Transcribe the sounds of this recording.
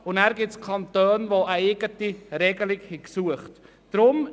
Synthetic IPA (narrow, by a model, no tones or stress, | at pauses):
ʊnæɾɡɪtt͡skʰɑntøːnʋoəeɡətiɾɛɡəlɪkhɛksuəχt | d̥ɾʊm